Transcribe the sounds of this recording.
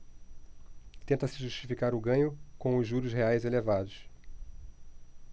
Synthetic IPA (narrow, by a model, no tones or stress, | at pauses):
t̪ẽnt̪ɐsɪʒuʃt͡ʃi̥fikaɾʊɡɐ̃ɲʊkõw̃ʊzʒʒuɾʊsɦeajzelevad̪ʊs